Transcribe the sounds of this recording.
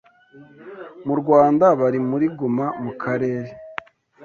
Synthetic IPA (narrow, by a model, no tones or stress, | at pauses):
muɾɡwaːndaβaɾimuɾiɡumamukʰaɾe̞ːɾe